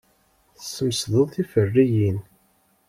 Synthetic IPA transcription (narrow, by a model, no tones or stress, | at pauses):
θsːəmsðəðˤθifərːijin